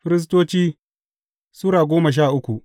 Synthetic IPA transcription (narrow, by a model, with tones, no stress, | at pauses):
ɸɪ˦ɾɪ˦s̬toː˦t͡ʃiː˦ | sʊ˦ɽaː˨ɡʷoː˦mɐ˨ʃ̬aː˦˨ʔʊ˦kʷu˨ʔ